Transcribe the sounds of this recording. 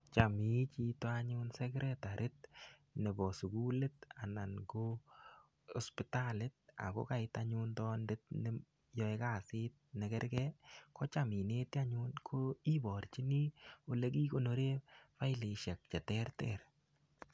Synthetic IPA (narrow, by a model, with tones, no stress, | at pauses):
t͡ʃa˨mi˨˦t͡ʃi˦twaɲʊ˦nsɛ˦kɾʔɛtaɾʔɪ˦t̪nɛ˨bɔ˨su˨ɡu˦le˦ta˨na˨nɡo˦ | ɔ˦spɪtalɪt̚a̰˨ko̰˦ka˨ɪtaɲuntɔ˦nde˦t̚nɪ˦ | jɔ˦ɛka˦si˦t̪̚nɛ˨kɛ˦ɾɡɛ˦kɔ˦t͡ʃa˨mi˨ne˦t̪i˦a˦ɲu˦nkʰo˦i˦bɔ˨ɾt͡ʃi˦ni˦o˨le˦ɡ̬i˦ko˦˨no˨ɾe˦fa˦ɪ˦li˨ʃɛ˨k̚t͡ʃɛ˨tɛɾtɛ̰ɾ